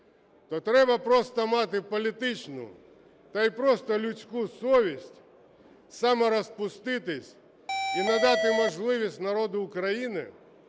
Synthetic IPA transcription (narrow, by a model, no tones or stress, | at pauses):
t̪ɔt̪ɾɛbɐpɾɔst̪ɔmɑt̪ɪpɔlʲit̪ɪt͡ʃnʊ̰ | t̪ɐipɾɔst̪ɔlʲʊt͡sʲkusɔʋʲisʲtʲ | sɑmɛɾɔspʊst̪ɪt̪ɪsʲ | inɐd̪ɑt̪ɪmɔʒlˠɪʋʲisʲtʲnɐɾɔd̪ʊːkɾɐjinɪ̰